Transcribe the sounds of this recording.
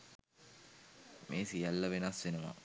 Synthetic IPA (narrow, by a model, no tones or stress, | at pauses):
mʔeːsijɐlːɐʋenɐsʋenɐʋa̰